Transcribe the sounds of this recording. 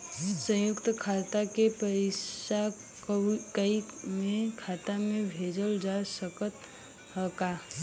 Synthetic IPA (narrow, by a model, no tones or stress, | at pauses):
sə̃jʊkt̪kʰaːt̪akepəɾeʃa | kkəimẽkʰaːt̪amẽbʱeːd͡ʒəld͡ʒasəkət̪ | ɦəka